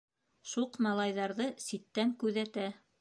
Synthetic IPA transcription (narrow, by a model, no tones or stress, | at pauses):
ʃuqmɑlˠɑjðɑɾðɤsit̪ːæŋkʉðæt̪æ